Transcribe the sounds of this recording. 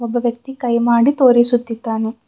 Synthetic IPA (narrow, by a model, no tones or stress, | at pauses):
ɔbːɐʋjɐk̚t̪ikɐjmaːɽit̪oːɾisut̪ːit̪ːaːne